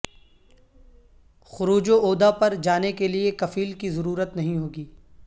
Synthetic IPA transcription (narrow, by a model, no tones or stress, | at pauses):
xʊɾuːd͡ʒoʔoːd̪apɐɾd͡ʒaːnekeliekɐfiːlkizɐɾuːɾət̪nɐɦĩɦoːɡiː